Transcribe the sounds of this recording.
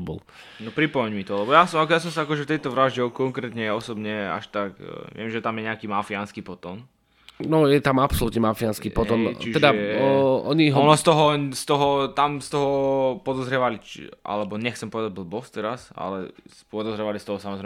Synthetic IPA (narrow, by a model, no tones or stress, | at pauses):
bɔ̰l | nɔpɾipɔmɛɲmit̪ɔlɛbɔjasɔmakjas̬ɔmsaakɔʒɛft̪ɛjt̪ɔʋɾaʒɟɛkɔŋkɾɛt̪ɲɛɔsɔbɲɛa̰ʃt̪akʋɪɛmʒɛt̪amjɛɲɛakimafianskipɔt̪ɔːn | nɔjɛt̪amapsɔlut̪ɲɛmafianskipɔtɛɔnt͡ʃiɛd̪a | ɔɲiɦɔnɔst̪ɔɦɔst̪ɔɦɔt̪amst̪ɔɦɔpɔd̪ɔzɾɛʋalit͡ʃʔa̰lɛbɔɲɛxt͡sɛmpɔʋɛd̪aɟ̚bl̩bɔst̪ɛɾasa̰lɛ̰spɔd̪ɔzɾɛʋalist̪ɔɦɔsamɔzɾɛɪ